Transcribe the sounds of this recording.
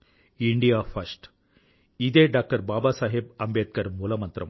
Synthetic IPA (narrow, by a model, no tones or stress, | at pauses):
iɳɖijaːfɐɾsʈ | id̪eːɖaːk̚ʈɐɾbaːbaːsaːɦeb̚ɐmbeːt̪̚kɐɾmuːlɐmɐnt̪ɾɐ̰m